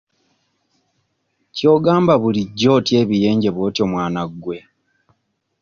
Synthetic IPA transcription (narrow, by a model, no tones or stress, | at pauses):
co̞ːɡaːmbaβuliɟːo̞ːtje̞ːβije̞ːɲɟe̞βoːtjo̞ːmwaːnaɡːwe̞